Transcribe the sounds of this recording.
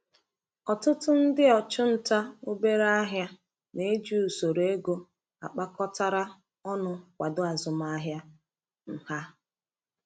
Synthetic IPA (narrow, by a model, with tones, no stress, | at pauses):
ɔ˨tʊ˦tʊ˦n̩˦dɪ˦ɔ˨t͡ʃʊ˦n̩˨ta˦o˦be˦ɾa˦a˦ɦja˦ | ne˨˦d͡ʒu˦˨u˨so˨ɾe˨e˦ɡo˦ | a̰˨k͡pa˦kɔ˦ta˦ɾa˦ | ɔ˦nʊ˦kʷa˨dʊ˦a˨zʊ˨ma˦a˦ɦja˦ | m̩˨ha˦